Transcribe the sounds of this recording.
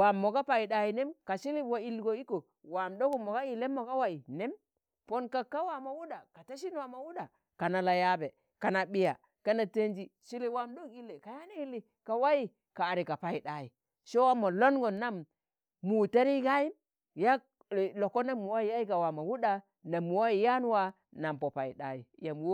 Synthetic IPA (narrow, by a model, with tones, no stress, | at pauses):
wa˨mːo˨ka˦pa˨i˨ɗa˨˦ji˨ne˦mka˨ʃi˦li˦wa˨i˨lɡo˨i˦ko˨ | wa˨mdo˦ku˦mo˨ɡa˦i˨le˦mo˨ka˦wa˦i˨ne˦m | po˦nka˨ka˦wa˨ma˨wu˦da˨ka˨ta˦ʃ̬i˦nwa˨ma˨wu˦da˨ | ka˨na˨la˨ja˦be˨ | ka˨na˨ɓi˦ja̰˨ | ka˦na˨te˦nd͡ʒi˦ʃi˦li˦wa˨mdo˦ki˦lːe˨ka˨ja˦ni˦i˦li˨ | ka˨wa˦i˦ | kaː˨ɾi˨ka˨pa˨˦i˨ɗa˦i˨ | ʃo˦wa˦mo˨lo˦nɡo˨nːa˦mː | u˨ta˦ɾi˦ɡa˦i˦m | ja˦˨ | lo˨kːo˦na˦mːu˨wa˦i˨ja˦i˦ka˨wa˨ma˨wu˦ɗa˨ | na˨mːu˨wa˦i˨ja˦n˦wa˦ | na˨mpo˨pa˨ḭ˨ɗa˦jḭ˨ja˨mwo˦